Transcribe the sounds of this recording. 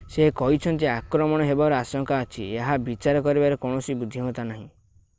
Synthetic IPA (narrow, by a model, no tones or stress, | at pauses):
sekɔɦit͡ʃʰɔnt̪̬iakɾɔmɔɽ̃ɔɦebaɾɔasɔŋkaɔt͡ʃʰieɦabit͡ʃaɾɔkɔɾibaɾekɔɳ̃ɔsibud̪ʱːiɦũt̪anaɦĩ